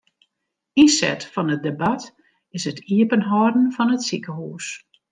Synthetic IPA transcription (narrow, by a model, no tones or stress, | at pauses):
isɛ̰tfɔnət̚debat | ɪsətʰiəpənɦɔdn̩fɔnətsikəhuːs